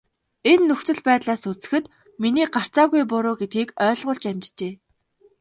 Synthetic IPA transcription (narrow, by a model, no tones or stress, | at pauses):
enːɵxt͡sɵ̆ɮpæːt̪ɮaːsut͡sɘ̥̆xɘ̆t̪ | miniːɢar̥t͡saːɣujpʊɾʊːɡet̪̚ɡiːkœːɮʁʊ̆ːɮt͡ɕæmʲt͡ɕt͡ɕeː